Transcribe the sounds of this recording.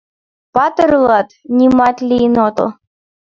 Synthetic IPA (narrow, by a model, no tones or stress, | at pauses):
pɑt̪əɾlˠɑt̪nʲimɑt̪lʲinot̪ɤ̰l